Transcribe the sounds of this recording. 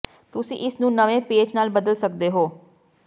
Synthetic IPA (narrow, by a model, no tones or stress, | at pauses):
t̪ʊsḭ̃ːʔɪsnũːnəʋẽːpeːd͡ʒnaːlbəd̪əlsəkd̪eːɦoː